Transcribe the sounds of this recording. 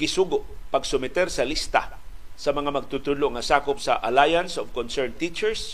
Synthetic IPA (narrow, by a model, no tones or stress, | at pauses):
ɡɪsuːɡʊʔpɐɡsʊmɪt̪ɛɾsɐlist̪a̰ | sɐmɐŋamɐɡ̚t̪ut̪ud̪loŋɐsaːkopsɐʔɐlajɐnsovkonsɛɹnt̪it͡ʃɛɹs